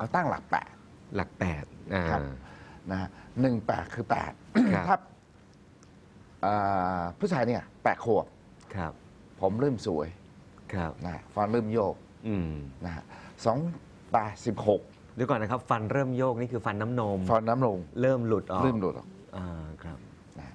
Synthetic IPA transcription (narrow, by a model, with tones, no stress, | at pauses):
ʔa˧wt̪a˥˩ŋla̰˨˩k̚pɛ̰ː˨˩t̪̚ | la˨˩k̚pɛː˨˩t̪̚ʔaː˧kʰa˦˩na˦˥a˥nɯ˨˩ŋpɛ̰ː˨˩t̪̚kʰɯː˧pɛ̰ː˨˩t̪̚kʰa˦˥˩p̚ | ʔɤː˨˩pʰu˦˥˩t͡ɕʰaː˧jniː˥˩ɐpɛː˨˩t̪̚kʰu˨˩əp̚ | kʰɾa˦˥p̚ | pʰːo˩˦mɾɤː˥˩msu˩˦əj | kʰɾa˦˥p̚na˦˧˩fa˧nɾɤː˥˩mjoː˥˩k̚ | ʔɯ˧˩na˦˥ha̰˦˥sɔː˨˩˦ŋ | pɛː˨˩t̪̚si˨˩p̚ho˨˩k̚ | da˧˦kɔː˨˩nːa˦˥kʰa˦˥p̚fa˧nɾɤː˥˩mjoː˥˩k̚niː˥˩kʰɯː˧fa˧nːa˦˥mno˧mfa˧nːa˦˥mlo˧ŋɾɤː˥˩mlu˨˩t̪̚ʔɔː˨ɤː˥˩˨mlu˨˩t̪̚ɔ̰ː˨˩kʔaː˧˩kʰɾa˦˥p̚ | na˦˥